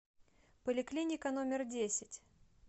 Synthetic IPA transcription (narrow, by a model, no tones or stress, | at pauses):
pəlʲɪklʲinʲɪkənomʲɪrdʲesʲɪtʲ